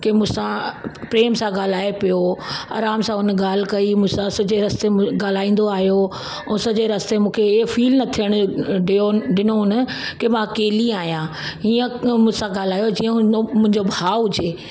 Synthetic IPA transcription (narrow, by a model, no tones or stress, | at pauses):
kemʊ̃ːsãpɾeːmsãɡaːl̤aːepijoa̰ːɾaːmsãʊn̆ɡaːl̤ɪkɐimũsãsɐd͡ʑeɾɐst̪eɡaːl̤aːĩːn̆d̪oaːɦjo | ʊsɐd͡ʑeɾɐst̪emũːkʰeɪɦfiːlnɐt̪ʰijəɽ̃ʊɖɪoɖɪnoɦʊnə̆kemãɐkeːliaːɦijãːiːə̃mʊ̃sãɡaːl̤aːjod͡ʑiːə̃mʊ̃ɦɪ̃ɲd͡ʑobʱaːɦʊd͡ʑeː